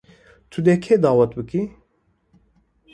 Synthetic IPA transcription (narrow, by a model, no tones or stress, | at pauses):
t̪ʰud̪ɛkʰɛd̪ɑːwɛt̪̚bɨki